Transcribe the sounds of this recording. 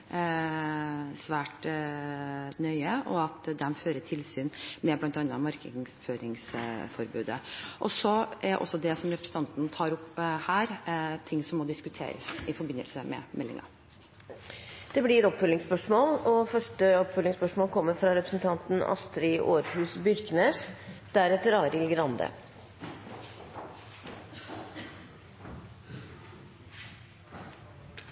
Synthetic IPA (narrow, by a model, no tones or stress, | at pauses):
sʋæːʈ | nœʏəʔɔɑt̪d̪ɛmføːɾəʈʰɪlsyːnmɛblɑnt̪ɑnːɑmɑɾkəŋføːɾɪŋsfɔɾbʉ̰ːd̪əʔɔsɔʔæɖ̰ʔɔ̰sːɔd̪ɛsɔmɾɛpɾə̥sn̩t̪ʰɑnt̪nt̪ʰɑːɾʊpːhæːɾt̪ʰɪŋːsɔmːɔd̪ɪskʉt̪ʰḛːɾə̰sɪfɔɾbɪnːə̰lsəmɛ̰mɛlːɪ̰ŋɑ̰ | d̪̥ɛblɪɛt̪ɔpfœlːɪŋspœʂmoːlɔfœʂʈəɔpfœlːɪŋspœʂmoːlkʰɔmːəɾfɾɑɾɛpɾə̥sn̩t̪ʰɑnt̪n̩ɑ̰st̪ɾɪʔoːɾhʉːsbʏɾkneːsd̪̥æɾɛt̪ːəɾɑːɾɪlɡɾɑnd̪ə̰